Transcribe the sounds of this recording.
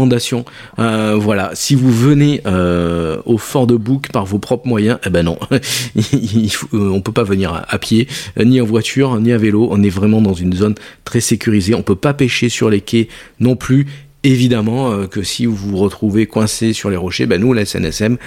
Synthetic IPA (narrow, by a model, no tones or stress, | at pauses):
ɑ̃d̪asjɔ̃ | øvwalasivuvəneʔø | ofɔ̃ʁd̪əbukpaʁvopχɔpχəmwajɛ̃ʔɛbɛnɔ̰̃iifoɔ̃pøpavəniʁa̰ʔapjeniɑ̃vwat̪ʰyʁniaveloɔ̃nɛvʁɛmɑ̃d̪ɑ̃zynzont̪χɛsekʲyʁizeɔ̃pøpapeʃesyʁlekʲenɔ̃ply | evid̪amɑ̃økəsivuuʁət̪χuvekwɛ̃sesyʁleʁɔʃebanulaɛsɛ̰nɛ̰sɛm